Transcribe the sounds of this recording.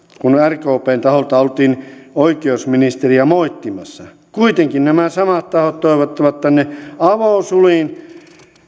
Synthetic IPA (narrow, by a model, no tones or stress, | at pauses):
kunærkoːpeːnt̪ɑholt̪ɑolt̪iːnoikeousminist̪eriæmoit̪ːimɑsːɑ | kuit̪eŋkinnæmæsɑmɑt̪t̪ɑhot̪t̪oiʋot̪ːɑʋɑt̪t̪ːænːeɑʋoˑsuliˑn